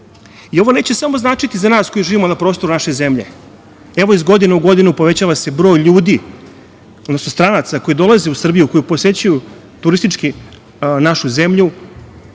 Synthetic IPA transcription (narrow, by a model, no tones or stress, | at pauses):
io̞ʋo̞ne̞ːt͡ɕe̞samo̞znaːt͡ʂit̪izanaːsko̞jiʒiːʋimonapɾoːst̪o̞ɾunaʃeze̞mʎe̞̰ | eʋo̞izɡo̞d̪ineuɡo̞d̪inupo̞ʋe̞t͡ɕaːʋase̞bɾo̞ːjʎuːd̪i | od̪nosnost̪ɾanat̪sako̞jid̪o̞lˠazeusr̩bijuko̞jupose̞t͡ɕuju | t̪uɾist̪it͡ʂki | naʃuze̞mʎu